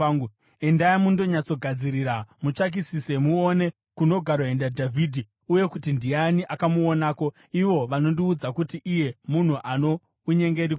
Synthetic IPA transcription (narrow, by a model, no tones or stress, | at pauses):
endajamundo̞ɲat͡so̞ɡʱad͡ziɾiɾamut͡ʂak̬isise̞muone | kuno̞ɡʱaɾoɦe̞ndadʱavʱidʱi | uje̞kutindianiʔakamuonaːko̞ | iʋo̞ʋano̞ndiːd͡zakutiʔije̞mun̤uʔano̞ | uɲe̞ŋɡe̞ɾik